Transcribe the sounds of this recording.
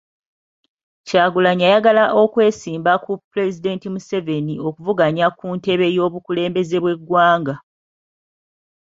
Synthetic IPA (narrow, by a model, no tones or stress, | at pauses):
caːɡulaɲajaɡalaʔo̞kwe̞ːsiːmbakuple̞zide̞ːntimuse̞ve̞nio̞kuvuɡaɲakunte̞βe̞jo̞ːβukule̞ːmbe̞ze̞βwe̞ɡwaːŋɡa